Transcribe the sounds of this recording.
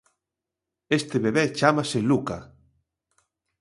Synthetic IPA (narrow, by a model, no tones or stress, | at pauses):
est̪eβeβet͡ʃamaseluka